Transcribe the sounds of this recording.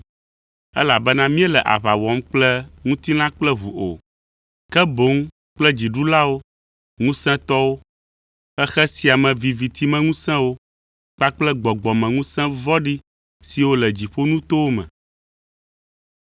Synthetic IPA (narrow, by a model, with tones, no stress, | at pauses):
ɛ̰˦la˨bɛ˦nã˦mĩ˦ɛ˦lɛ˨ʔa̰˨βa˨wɔ˨˦mk͡plɛ˦ŋũ˦t̪i˦nã˦k͡plɛ˦ɦu˨ʔo̰˨ | kɛ˦bo˨˦ŋ | k͡plɛ˦d͡ʑi˨ɖu˦la˦wo˦ | ŋũ˦sɛ̃˦t̪ɔ˦wo˦ | xɛ˦xɛ˦si˦a˨mɛ̃˨vi˨vi˨t̪ʰi˦mɛ̃˦ŋũ˦sɛ̃˦wo˦ | k͡pa˦k͡plɛ˦ɡ͡bɔ˨ɡ͡bɔ˨mɛ̃˨ŋũ˦sɛ̃˦vɔ˦ɖi˦ | si˨wo˦lɛ˨d͡ʑi˨ɸo˦nũ˦t̪o˦wo˦mɛ̰̃˨